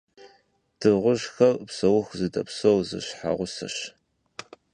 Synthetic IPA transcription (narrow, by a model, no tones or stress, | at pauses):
d̥ʰɨʁʷʊʒxɐrpsɐwʊxzɨdɐpsowzɨ̰ɕħa̰ʁʷʊsɐ̰ɕ